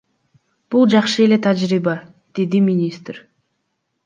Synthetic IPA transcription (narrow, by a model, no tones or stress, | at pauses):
b̥ulˠd͡ʒɑqʃəe̞le̞t̪ʰad͡ʒɾibɑ | d̪̥e̞d̪imʲinʲist̪ɾ̥